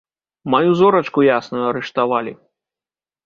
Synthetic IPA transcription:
majuzɔɾɐt͡ʂkujasnɐjuɐɾɨʂt̪avalʲi

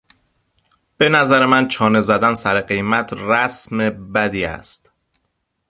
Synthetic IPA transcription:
b̥e̞næzæɾemænt͡ʃʰɒːne̞zæd̪ænsæɾeɢe̞jmæt̪ʰɾæsme̞bæd̪iːæ̰st̪

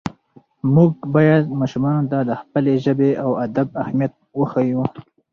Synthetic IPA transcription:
mʊɡ̚bɑjad̪̚mɑʃumɑnt̪ad̪əxpəleʒəbeawad̪ab̚ahmijat̪̚wəxaju

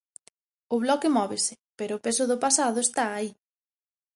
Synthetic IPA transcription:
ʊβlɔkemɔβesɪ̥ | peɾʊːpesʊðʊpasaðʊest̪aːi

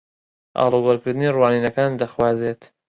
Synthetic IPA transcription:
ʔɑ̰ːloɡɔlkɨɾd̪ɨniːruwaːniːnɐkaːnd̪ɐxwaːzeːt̪

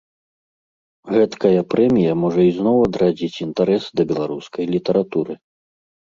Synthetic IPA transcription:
ɣɛt̪kɐjɐpɾɛmʲijɐmɔʐɐiznɔwɐd̪ɾad͡zʲit͡sʲint̪aɾɛsd̪ɐbʲɛlˠaɾuskɐjlʲit̪ɐɾat̪uɾɨ

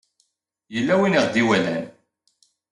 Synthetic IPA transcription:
jəlːæwiniʁd̪iwælæn

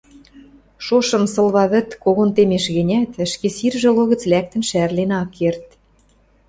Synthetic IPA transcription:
ʃoʃɤ̆msɤ̆lβɑβɘ̆t̪koɣont̪emeʃɣɘ̆nʲæt̪ə̆ʃkesirʒĕloɣə̆t͡slæk̚t̪ə̆nʃærlenɑkːert̪̚

